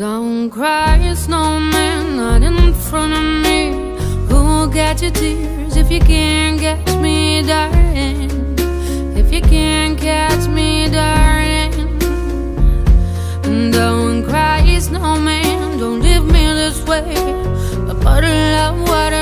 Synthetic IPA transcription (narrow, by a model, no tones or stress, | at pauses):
d̥õʊ̃nkʰɹ̥aɪɪsnoʊmæ̃nlʌɾɨ̃nfɹʌ̃ñʌvmi | hulˠɡɛt͡ʃɨtʰɪ | zɨfjɨkʰæ̃nɡɛt͡ʃmidaɪ | n | ɨfjɨkʰæ̃nkʰæt͡ʃmidaɪ | n | ndõʊ̃nkʰɹ̥aɪɪsnoʊmændõʊ̃ntlivmiɨ̃nðɪsweɪ | ʌb̥ʌɾʌvwʌɾ